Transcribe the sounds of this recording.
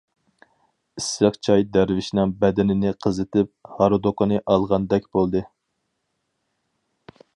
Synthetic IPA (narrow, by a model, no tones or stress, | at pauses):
isjɑχt͡ʃʰɑjd̪æɾvɪʃnɛŋbɛd̪ɪnɪnɪqʰəzɨt̪ʰɪp̚hɑɾod̪okonɨʔɑlˠʁɑnd̪ɛkʲb̥olˠd̪ɨ